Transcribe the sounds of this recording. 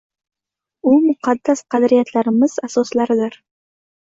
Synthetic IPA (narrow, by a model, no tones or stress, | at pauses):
ʊmʊqʰɑd̪ːasqʰɑd̪ɾijat̪ʰlaɾɪmɪz̥asɒslaɾɪd̪ɪɾ